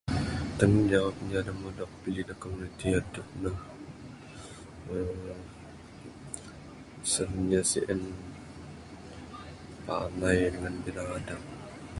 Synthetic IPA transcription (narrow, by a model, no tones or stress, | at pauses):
t̪əŋd͡ʒawap̚ɲd͡ʒadamudɔk̚pid͡ʒidakomunit̪iadʊk̚nəh | ə | sənɲasḭʔən | pa̰najdəŋanbilaŋada